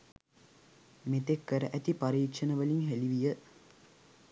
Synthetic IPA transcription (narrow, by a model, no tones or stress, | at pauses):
met̪ekːəɾəʔæt̪ipaɾiːtʃənəʋəliŋɦeliʋijə